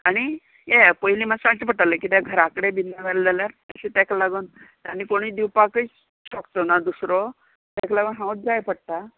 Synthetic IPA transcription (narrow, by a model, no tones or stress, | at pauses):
aɽ̃i | epəɦiliːmasãɳt͡ɕip̬əʈaləkit̪jaɡʱəɾakɽebinːaʋeɾd͡zaljaɾə̰ɕet̪aklaɡunt̪anːiːkoɽ̃iːd̪iwpakəi | ɕɔkt̪onad̪usɾɔ | t̪ɛklaɡənɦãwut̪̚d͡zajpəɽt̪a